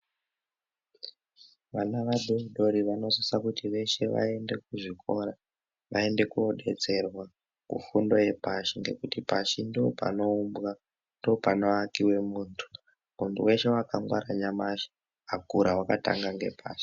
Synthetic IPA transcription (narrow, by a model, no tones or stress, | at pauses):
ʋanaʋaɗouɗo̞ɾiʋano̞zisakutiʋe̞ʃe̞ʋa̰e̞nde̞k̚uʐiko̞ɾa | ʋa̰e̞nde̞kuoɗe̞t͡se̞rwa | kṵfundo̞je̞paʃiŋɡe̞kutipaʃindoo̰pa̰no̞umbɣa | ndoːpano̞akiwe̞muːntʰu̥ | muntuwe̞ʃe̞wakaŋɡwaɾaɲamaʃi̥ | akuɾawakata̰ŋɡaŋɡe̞̰pʰa̰ːʃi̥